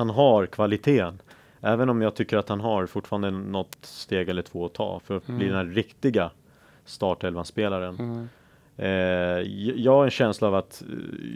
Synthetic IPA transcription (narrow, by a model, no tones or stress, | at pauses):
anɦaɾkʰvalɪt̪ʰeːən | ɛːvənɔmjɑːɡ̚t̪ʰʏkːəɾat̪hanɦaɾfʊʈːfɑːɾand̪ənɔt̪st̪eːɡɛlːəʈʰv̥oːɔt̪ʰɑ̰ːfœɾat̪bliːd̪ɛnæɾɪkt̪ɪɡa | st̪ɑːʈɛlvanspeːlaɾən | jjɑːɡaɾɛnɕɛnslaːvat̪